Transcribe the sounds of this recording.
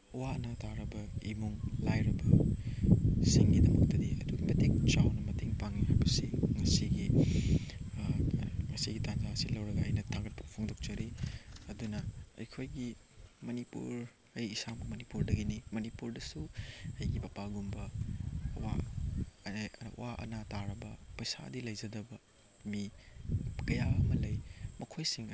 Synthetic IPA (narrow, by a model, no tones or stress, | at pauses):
wanɐtʰaɾɐbɐimuŋlajɾɐbɐ | siŋɡidɐmɐk̚tɐdiɐ̰duɡimɐteŋt͡ʃawnɐmɐteŋpaŋihajbɐsiŋɐsiɡi | ŋɐsiɡitand͡ʒasilɐwɾɐɡɐɐjnɐtʰaŋɡɐt̚pʰɐpʰoŋdok̚t͡ʃɐɾiɐdunɐɐ̰jkʰojɡi | mɐnipṵɾ | ɐjːsamɐmɐnipuɾdɐɡinimɐnipuɾdɐsuɐjɡibapaɡumbɐ | wa̰ | waʔɐ̰nataɾɐbɐpɐjsa̰dilɐjzɐdɐbɐ | mi | kɐjaɐmɐlɐjmɐkʰojsiŋ